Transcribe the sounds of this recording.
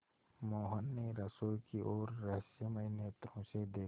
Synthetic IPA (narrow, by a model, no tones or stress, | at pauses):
moːɦənːeɾɐsoːkiʔɔːɾːɐɦsjəməɪnjet̪ɾõsed̪eː